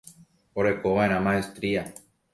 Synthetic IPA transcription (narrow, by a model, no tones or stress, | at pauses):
oɾe̞koβaẽɾãmãest̪ɾia